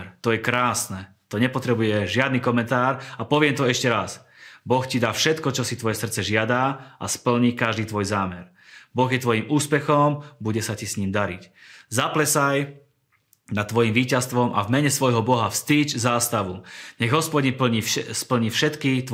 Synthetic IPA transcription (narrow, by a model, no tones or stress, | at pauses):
ɾt̪ɔjɛkɾaːsnɛ | t̪ɔɲɛpɔt̪ɾɛbujɛʒɪad̪nikɔmɛnt̪aːɾapɔʋɪɛmt̪ɔɛʃcɛɾas | bɔxcid̪aːfʃɛt̪kɔt͡ʃɔsit̪ʋɔjɛsr̩t̪t͡sɛʒɪad̪aa̰spl̩ɲiːkaʒd̪iːt̪ʋɔjzaːmɛɾ | bɔɣjɛt̪ʋɔjimuːspɛxɔmbuɟɛsacisɲiːmd̪aɾḭczaplɛsaj | nat̪ːʋɔjimʋiːcast̪ʋɔmʔa̰vmɛɲɛsʋɔjɦɔbɔɦafst̪iːt͡ʃzaːst̪aʋuɲɛɣɦɔspɔɟinpl̩ɲiːspl̩ɲiːfʃɛt̪kit̪